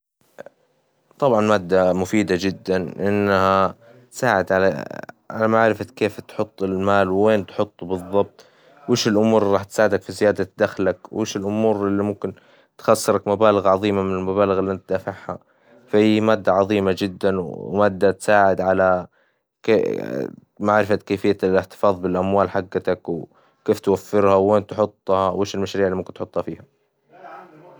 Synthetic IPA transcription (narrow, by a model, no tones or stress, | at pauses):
t̪ˤɑbʕɑnmaːd̪ːamʊfiːd̪ad͡ʒɪd̪ːanʔɪnːaha | t̪saːʕɪd̪ʕala̰ʕa̰lamaʕɾɪfat̪keːft̪ħʊt̪ˤːɪlmaːlwweːnt̪ħʊt̪ˤːubɨðˤːɑb̚t̪ˤ | wɪʃɪlʔʊmuːɾɾˤɑːħt̪saːʕɪd̪akfizɪjaːd̪ad̪axlakwʔɪːʃɪlʔʊmuːɾɪlːimʊmkɪn | t̪xɑsˤːɨɾakmabaːlɪɣʕɑðˤiːmamɪnɪlmabaːlɪɣɪlːiʔant̪̚d̪afaʕha̰ | fahiːmaːd̪ːaʕɑðˤiːmad͡ʒɪd̪ːanwmaːd̪ːat̪saːʕɪd̪ʕala | ke | maʕɾɪfakeːfɪjːalɪħt̪ɪ̥fɑːðˤbɪlʔamwaːlħaɡːat̪akw | keːft̪wafːɪɾhaweːnt̪ħʊt̪ˤːhɑweːʃɪlmaʃɾiːʕliʊmkɪnt̪ħʊt̪ˤːhɑfiːha